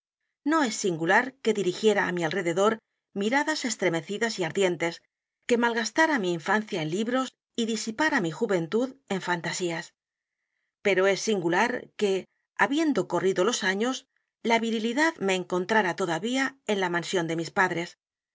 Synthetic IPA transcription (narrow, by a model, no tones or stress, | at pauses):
no̞e̞sːiŋɡulaɾke̞ðiɾixje̞ɾaːmialre̞ðe̞ðo̞ɾ | miɾaðase̞st̪ɾe̞me̞θiðasiaɾðje̞nt̪e̞s | ke̞malɣast̪aɾamiːɱfanθjaenliβɾo̞s | iðisipaɾamixuβe̞nt̪uðe̞ɱfant̪asias | pe̞ɾo̞e̞sːiŋɡulaɾke̞ | aβje̞nd̪o̞ko̞riðo̞lo̞saɲo̞s | laβiɾiliðaðme̞ːŋko̞nt̪ɾaɾat̪o̞ðaβiae̞nlamãnsjo̞nd̪e̞mispaðɾe̞s